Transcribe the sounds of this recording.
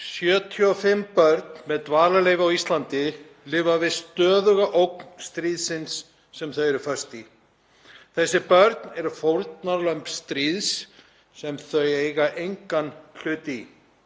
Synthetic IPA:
sjœːt̪ʰiɔfɪmːpœɾt̪̚nmɛðt̪vaːlaleːjvɪawist̪lant̪ɪ | lɪːvavɪðst̪œːðʏɣaʔowk̚nst̪ɾiːðsɪnsː | ɛmθœɥɛɾɾfœ̥st̪i | θɛsːɪpœɾt̪nɛɾfowɾt̪naɾlœmpst̪ɾiːðsː | ɛmθœɥejɣaʔejŋkanl̥ʏːt̪i

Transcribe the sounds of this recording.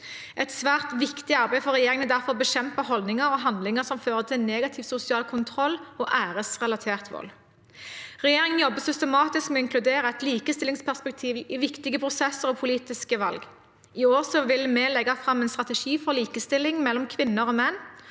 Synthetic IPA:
ʔɛt̪sʋæːʁt̪ʋɪkt̪ɪɑʁbæɪfɔʁɛjeːɾɪŋənd̪æʁfɔʁɔbəʃɛmpəhɔld̪nɪŋəɾɔɦɑnd̪lɪŋəsɔmføːʁət̪ʰɪlneːɡɑt̪ʰɪːʋsʊsɪɑːlkʰʊnt̪ʰʁɔlːoːʔæːʁəsʁɛlɑt̪ʰeːʁt̪ʋɔ̰l | ʁɛjeːʁɪŋənjɔbːəsʏst̪ɛmɑːt̪ɪskmɛɔɪŋkʰlʉd̪eːɾəɛt̪liːkəst̪ɪlɪŋspʰæʁspɛk̚t̪ʰiːʋɪʋɪkt̪ɪɡəpʰʁʊsɛsəɾɔpʰʊliːt̪ɪskəʋɑ̰lɡ | ɪoːʁsɔʋɪlmɛːlɛɡɑfʁɑmɛnst̪ʁɑt̪ɛʃiːfɔʁliːkəst̪ɪlːɪŋmɛlːɔmkʰʋɪnːəʁoːmɛnː

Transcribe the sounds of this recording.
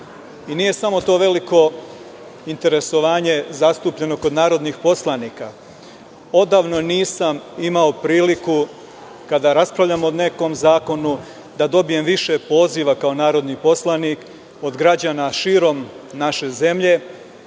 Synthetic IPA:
inije̞samo̞t̪o̞ːʋe̞liko̞ | int̪e̞ɾe̞so̞ʋaːɲe̞zast̪upʎe̞no̞kod̪naːɾo̞d̪nixpo̞slˠaniːka | o̞d̪aːʋno̞niːsamimao̞pɾiːliku | kad̪aɾaspɾaʋʎamoone̞ko̞mzaːko̞nu | d̪ad̪o̞bije̞mʋiʃe̞po̞ːziʋakao̞naːɾo̞d̪nipo̞slˠanik | o̞d̪ɡɾad͡ʑaːnaʃiːɾo̞mnaʃe̞ze̞mʎe̞

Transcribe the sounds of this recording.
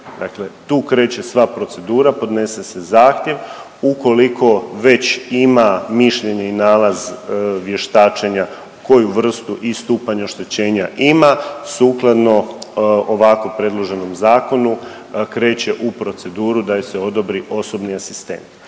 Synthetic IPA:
d̪a̰kle̞t̪uːkɾe̞ːt͡ɕe̞sʋapɾo̞t̪se̞d̪uːɾapo̞d̪ne̞se̞se̞zaːxt̪je̞ʋ | uko̞liko̞ʋe̞t͡ɕimamiʃʎe̞ɲeinaːlazʋje̞ʃt̪aːt͡ʃe̞ɲa | ko̞juʋr̩st̪uʔist̪uːpaɲeoʃt̪e̞t͡ɕe̞ːɲaʔimasuːklˠad̪no̞oʋako̞pɾe̞d̪lˠo̞ʒe̞no̞mzaːko̞nu | kɾe̞ːt͡ɕe̞ʔupɾo̞t̪se̞d̪uːɾud̪ajise̞o̞d̪o̞bɾiʔo̞so̞bniasi̥st̪e̞̰nt̪

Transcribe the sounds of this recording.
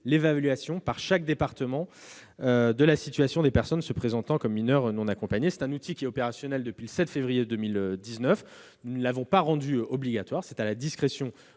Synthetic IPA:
levalɥasjɔ̃paʁʃak̚d̪epaʁt̪əmɑ̃ød̪əlasit̪ɥasjɔ̃d̪epɛʁsɔnsəpχezɑ̃t̪ɑ̃kɔmːinœʁnɔ̃nakɔ̃paɲesɛ̥t̪ɛ̃nut̪ʰikʲiɛɔpeʁasjɔnɛld̪əpɥiləsɛt̪fevʁijed̪ømilød̪iznœf | nunəlavɔ̃paʁɑ̃d̪yɔbliɡʲat̪waʁsɛt̪alad̪iskχesjɔ̃

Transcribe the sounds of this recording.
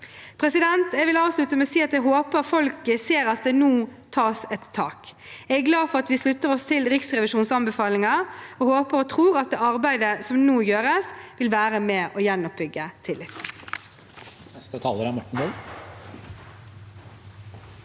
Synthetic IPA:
pʰɾɛsɪd̪ɛnt̪ɛɡʋɪlɑːʋslʉt̪əmɛɔsiːɑt̪jɛɡɦoːpəʁfɔlkəseːɾɑt̪̚d̪ɛːnuːt̪ʰɑːsɛt̪ʰːɑ̰ːkɛæɡlɑːd̪fɔʁɑt̪ʋɪslʉt̪ːəʁɔst̪ʰɪlʁɪksʁɛʋɪʃuːnsɑnbɛfɑːlɪŋɑɔhoːpəɾɔt̪ʰɾuːɾɑt̪̚d̪ɛːɑɾbæɪd̪əsɔmnuːjøːɾəsʋɪlʋæːɾəmɛʔɔjɛnːɔp̚bʏɡːət̪ʰɪlːɪt̪ | nɛst̪ət̪ʰɑːləɾæɾmɔʈːəɳ̩bœ

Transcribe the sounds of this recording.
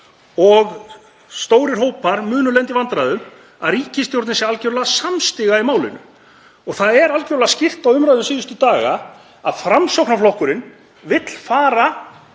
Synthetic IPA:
ɔɣ | st̪oːwɾɪr̥hoːwpaɾmʏːnʏlɛnt̪ivant̪ɾajðʏm | a̰ðriːcɪst̪jowɾt̪nɪnsjɛɾalcoɾlaɣasamst̪ɪɣaimaːwlɪ̰nʏ̰ | ɔɣθaðɛɾalcoɾlaɣascɪr̥t̪awʏmɾajðʏmsiːðʏst̪ʏt̪aːɣa̰ | a̰ðfɾamsowknaflɔhkʏɾɪn | vɪt̪l̥faːɾa

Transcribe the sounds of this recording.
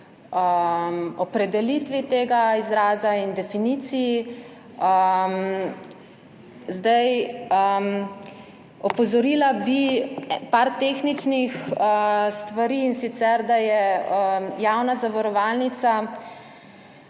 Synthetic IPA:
əmɔpɾɛd̪ɛlit̪ʋit̪eːɡaizɾaːzaind̪ɛfiniːt̪sii | əm | zd̪ajəm | ɔpɔzɔɾilabipaɾt̪eːxnit͡ʃnixəst̪ʋaɾiːnsit̪sɛɾd̪ajɛəjawnazaʋaɾɔʋaːlnit̪sa

